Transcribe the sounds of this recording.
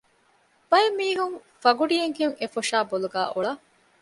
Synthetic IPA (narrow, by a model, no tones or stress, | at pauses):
b̥ɐemːiːɦuŋ | fɐɡuɖijeŋheŋefoʂaːboluɡæ̰ːʔuɭɐ